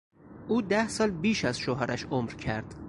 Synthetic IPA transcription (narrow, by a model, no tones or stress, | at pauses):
ʔuːd̪æhsɒːlbiːʃæz̥ʃoɦɒɾʔæʃomɾcʰæɾd̪̥